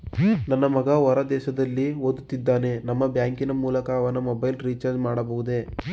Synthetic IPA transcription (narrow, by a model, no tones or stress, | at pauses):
nɐnːɐmɐɡɐʋɐɾɐd̪ɛːʃɐd̪ɐlːiod̪ut̪ːid̪ːaːne̞nɐmːɐbjaːŋkinɐmuːlɐkɐːʋɐnɐmɔbɐjlɾiːt͡ʃɐɾd͡ʒmaːɽɐbɐɦud̪e̞